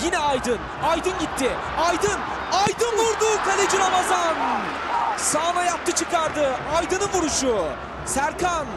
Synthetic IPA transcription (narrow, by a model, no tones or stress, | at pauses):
jinɛajd̪ɯn | ajd̪ɯnɟit̪ʰːɪ | ajd̪ɯn | ajd̪ɯnvuɾd̪ukʰalʲed͡ʒiɾamazan | saːnajap̚t̪ʰɯt͡ʃʰɯkaɾd̪ɯajd̪ɯnɯnvuɾuʃu | sæɾkʰan